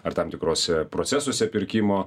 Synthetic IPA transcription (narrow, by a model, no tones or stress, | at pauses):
ɐɾt̪ɐmt̪ʲɪkɾoːsʲɛpɾoːtsʲæsoːsʲɛpʲɪɾʲkʲimoː